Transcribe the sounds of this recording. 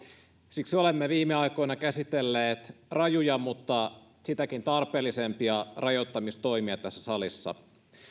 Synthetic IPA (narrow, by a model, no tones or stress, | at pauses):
siksiolemːeʋiːmːeɑjko̞jnɑkæsit̪elːeːt̪rɑjujɑmut̪ːɑ | sit̪ækint̪ɑrpˑeːlːisempiɑrɑjot̪ːɑmist̪o̞imiɑt̪æsːæsɑlisːɑ̰